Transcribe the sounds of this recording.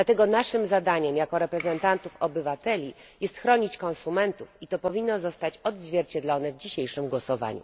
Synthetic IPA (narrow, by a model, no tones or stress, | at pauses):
d̪lat̪ɛɡɔnaʂɘmzad̪aɲɛmjakɔɾɛpɾɛzɛnt̪ant̪ufɔbɘvat̪ɛlʲi | jɛst̪xɾɔɲit͡ɕkɔ̃nsumɛnt̪ufit̪ɔpɔvʲinːɔzɔst̪at͡ɕɔd̪zvʲjɛɾt͡ɕɛd̪lɔnɛvd͡ʑiɕejʂɘmɡwɔsɔva̰ɲṵ